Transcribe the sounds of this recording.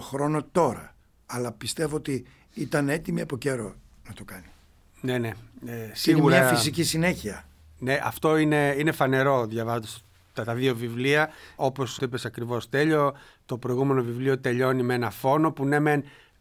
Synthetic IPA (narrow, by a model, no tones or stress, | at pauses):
xɾo̞no̞t̪o̞ɾɐ̰ | ɐlɐpist̪e̞voot̪i | it̪ɐne̞t̪imiɐpo̞ce̞ɾo̞̰ | nɐt̪okɐni | ne̞ne̞sineɣumɾɐɲɐfis̬icisineçiɐ | ne̞ʔɐft̪o̞ine̞inefɐne̞ɾo̞ðʝɐvɐzod̪s | t̪ɐt̪ɐðio̞vivliɐo̞po̞sipe̞sɐkɾivo̞st̪e̞ʎo̞ | t̪o̞pɾo̞iɣume̞no̞vivlio̞t̪e̞ʎo̞nimee̞nɐfo̞no̞pune̞me̞n